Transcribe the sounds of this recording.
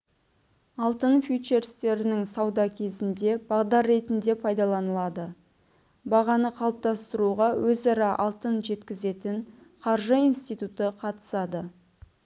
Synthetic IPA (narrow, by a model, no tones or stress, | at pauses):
ɑlˠt̪ənfʲit͡ʃe̞ɾst̪e̞ɾɪnɪŋsɑwd̪ɑkʲʰe̞zɪnd̪e̞b̥ɑʁd̪ɑɾːe̞t̪ɪnd̪e̞pʰɑjd̪ɑlˠɑnəlˠɑd̪ə | bɑʁɑnəqʰɑlˠəp̚t̪ɑst̪əɾuʁɑwɵzɑɾɑʔɑlˠt̪ənʒe̞t̪kʲɪze̞t̪ɪɴqʰɑɾʒəijnst̪ijt̪ut̪əqʰɑt̪ə̥sɑd̪ə